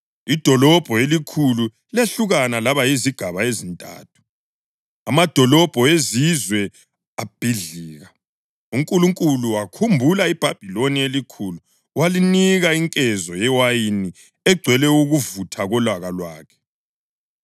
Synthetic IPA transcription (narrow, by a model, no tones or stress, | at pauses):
id̥ʱɔlɔb̥ʱɔelikʰulu | leɬuɣanalaβajiziɡ̥ʱaβaezintʼa̰ːtʰu̥ | amad̥ʱɔlɔb̥ʱɔezizwɛ | ab̥ʱiɮiːɣa | uŋkʼuluŋkʼuluwakʰumbʱulaib̥ʱab̥ʱilonielikʰulu | waliniɣaiŋkʼɛzɔjɛwajini | ɛɡ͡ǀʱwɛlɛuɣuvutʰaɣɔlaɣalwaːkʰɛ̥